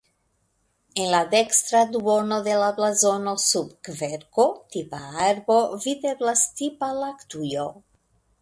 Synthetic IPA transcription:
enlad̪ɛkst̪ɾad̪wonoðelablazonosubkveɾkot̪ipaaɾbovideblast̪ipalakt̪ujo

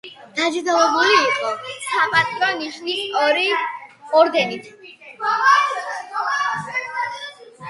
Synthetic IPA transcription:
d̪̥ad͡ʒɾd̪avɛbuliːqʼɔsapʼasʰd̪ɔniʃnisɔɾiɔɾd̪ɛnit̪ʰ

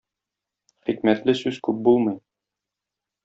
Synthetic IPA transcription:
χikmæt̪lɘsʉz̥kʉp̚bulˠmɤj

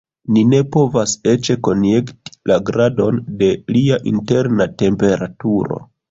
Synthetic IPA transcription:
nine̞po̞vase̞t͡ʃe̞ko̞nje̞kti̥lʔaɡɾado̞nde̞liaʔḭnte̞ɾnate̞mpe̞ɾatuɾo̞̰

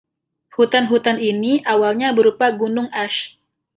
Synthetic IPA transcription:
hut̪anɦut̪aniniʔawalɲabəɾupaɡunʊŋaʃ

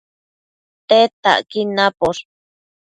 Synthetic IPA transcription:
t̪et̪a̰ʔkinãpoɾ

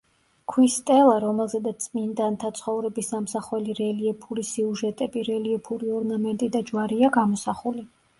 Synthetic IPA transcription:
kʰwist̪ʼɛlˠaɾɔmɛlˠzɛd̪at̪sʼmind̪ant̪ʰat̪sʰχɔvɾɛbisamsaχwɛliɾɛliɛpʰuɾisiuʒɛt̪ʼɛbiɾɛliɛpʰuɾiɔɾnamɛnt̪ʼid̪ʼad͡ʒwaɾiaɡamɔsaχuli

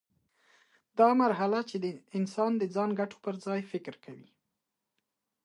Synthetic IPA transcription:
d̪ɑmaɾɦalat͡ʃed̪əɪnsɑnd̪əd͡zɑnɡaʈo̥pəɾzɑjfɪkɾkʰawi

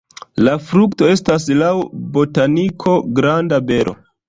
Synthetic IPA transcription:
lafɾukto̞e̞stas̬lawbo̞tanikʰo̞ɡɾandabe̞ɾʔo̞̰

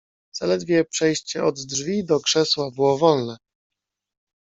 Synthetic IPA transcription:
z̥alɛd̪vʲjɛpʂɛjɕt͡ɕɛɔd̪ːʐvʲid̪ɔkʂɛswabɘwɔvɔlnɛ

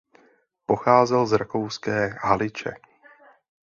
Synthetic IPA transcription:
po̞xaːzɛlzɾakowskɛːɦalɪt͡ʃɛ̰

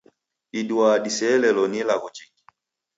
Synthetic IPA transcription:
iduadisɛlɛlɔnilaɣɔt͡ʃiki̥

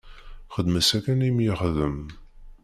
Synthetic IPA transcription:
χəd̪məsækænimjiχðəm

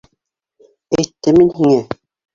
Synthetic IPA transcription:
æjt̪ːɘminɦiŋɘ

